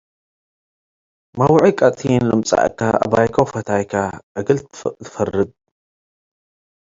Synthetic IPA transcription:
mawʕikʼɐt̪ʼinlɨmt͡sʼa̰ʕkʰːaʔa̰bajkʰɐwfɐt̪ʰajkʰaʔɨɡɐlt̪ʰɨ̥fɐrːɨd̪̚

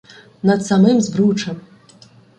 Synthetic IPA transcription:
nɐt̪samɨmzbɾut͡ʂɐm

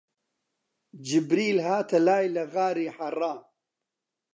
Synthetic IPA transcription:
d͡ʒɪbɾiːlhaːt̪ʰɐlaːjlɐɣaːɾiːħɐrˤɑː

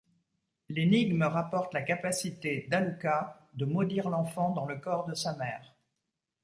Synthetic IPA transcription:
leniɡməʁapɔʁt̪lakapasit̪ed̪aluka | d̪əmɔd̪iʁlɑ̃fɑ̃d̪ɑ̃ləkɔʁd̪əsamɛːʁ

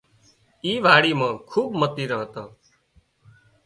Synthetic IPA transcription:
iːʋʱaːɽiːmãːkʰuːɓmət̪iːɾəɦt̪aː

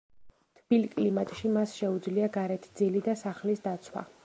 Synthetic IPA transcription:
t̪ʰb̥ilkʼlimat̪ʼʃimasʃɛud̪zliaɡaɾɛt̪ʰd̪zilid̪asaχlisd̪at̪sʰwa̰

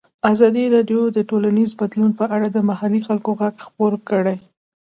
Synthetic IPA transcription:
azɑd̪iɾɑɖjod̪əʈolanizbad̪lunpəʔaɽad̪əmahalixalkoɣaɡxpoɾkəɽaj

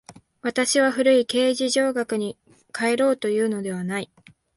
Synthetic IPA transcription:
βat̪aɕiβaɸɯ̟ɾɯ̟ike̞ːʑiʑo̞ːɡakɯ̟ɲ̟i | kʰae̞ɾo̞ːt̪o̞jɯ̟ːno̞d̪e̞β̞anai

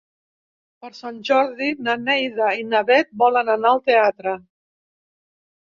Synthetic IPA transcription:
pəɾsanʲʒɔɾðinanɛjðainaβɛt̪̚bɔlənanaəlˠt̪eat̪ɾə

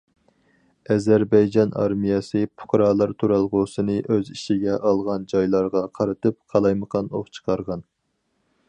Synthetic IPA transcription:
ɛzæɾbɑjd͡ʒɑnɑ̰ɾmijɑsɨpʰʊ̥kɾɑːlˠɑɾt̪ʰuɾælˠʁʊsɨnɨʔøziʃiɡʲɛʔɑlˠʁɑnd͡ʒɑjlˠɑɾʁɑqʰɑɾɨt̪ʰɨp̚qʰɑlˠɑjməqʰɑno̰χt͡ʃʰə̥qʰɑɾʁɑn

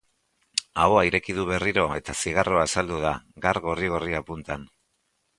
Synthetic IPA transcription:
aoaiɾe̞kiðuβe̞riɾo̞e̞t̪asiɣ̞aro̞asald̪uð̞aɡaɾɣo̞riɣoriapunt̪an

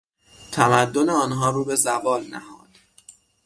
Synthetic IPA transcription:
t̪ʰæmæd̪ːo̞neɒːnɦɒːɾuːbe̞zævɒːlnæ̰hɒ̰ːd̪̥

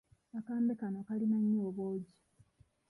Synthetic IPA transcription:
akaːmbekanokalinaɲːoːβoːɟi

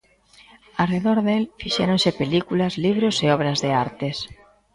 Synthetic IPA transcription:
areðoɾðelfiʃɛɾõnsɪpelikulɐzliβ̞ɾoseɔβɾɐzðeaɾt̪es

